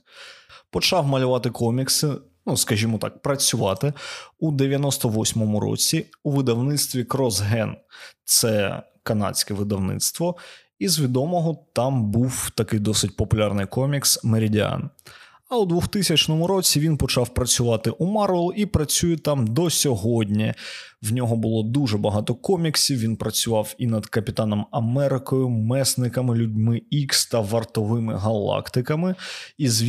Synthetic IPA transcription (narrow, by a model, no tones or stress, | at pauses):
pɔt͡ʃɑwmɐlʲʊʋɑt̪ɪkɔmʲiksɪ | nuskɐʒʲimɔt̪ɑ̰k̚pɾɐt͡sʲʊʋɑ̰t̪ɪud̪eʋʲjɐnɔst̪ɔʋɔsʲmɔmʊɾɔ̰t͡sʲiuʋɪd̪ɐwnɪt̪st̪ʋʲikɾɔzɦɛnt̪sɛ | kɐnɑ̰t͡sʲkɛʋɪd̪ɐwnɪ̰t̪st̪ʋɔ | izʋʲid̪ɔmɔɦɔt̪ɑmbuwt̪ɐkɪjd̪ɔsɪt̚ʲpɔpʊlʲɑrnɪjkɔmʲiksmeɾʲidʲiɑ̰n | ɐwd̪ʋʊxt̪ɪsʲɐt͡ʃnɔmʊɾɔt͡sʲiʋʲinpɔt͡ʃɑwpɾɐt͡sʲʊʋɑt̪ɪʔumɑrʋɛlˠipɾɐt͡sʲujɛt̪ɑmd̪ɔsʲɔɦɔdʲnʲiwnʲɔɦɔbʊlˠɔd̪uʐɛbɐɦɑt̪ɔkɔmʲiksʲiwʋʲinpɾɐt͡sʲʊʋɑwinɐd̪kɐpʲɪt̪ɑnɔmɐmɛɾɪkɔjʊmɛsnɪkɐmɪlʲʊdʲmɪikst̪ɐʋɐrt̪ɔʋɪmɪ̰ɦɐlˠɑ̰kt̪ɪkɐmɪizʋʲ